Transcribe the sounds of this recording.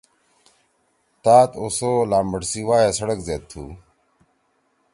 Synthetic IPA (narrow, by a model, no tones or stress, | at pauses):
t̪aːt̪osoːlaːmbəʈsiwaːjasɐɽɐkzet̪ʰːṵː